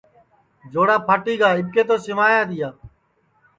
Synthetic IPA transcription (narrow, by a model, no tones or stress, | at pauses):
d͡ʒoːɽaːpʰaːʈiːɡaːɪb̚keːt̪oːsɪmaːjaːt̪ɪjaː